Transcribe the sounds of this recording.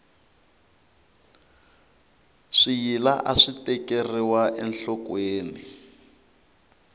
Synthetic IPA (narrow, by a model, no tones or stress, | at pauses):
ʂijilaʔaʂitɛkeriwaʔɛnɬɔkweːni